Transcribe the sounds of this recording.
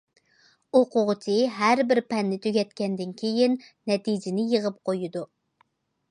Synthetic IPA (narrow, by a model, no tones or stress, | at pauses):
oqʊʁt͡ʃʰiɦæɾbɪɾpʰɛnːɪt̪ʰyɡʲɛt̪kʲɛnd̪ɪnkʲʰejɪnː | ɛt̪ʰid͡ʒɪnɪjəʁəp̚qʰojud̪u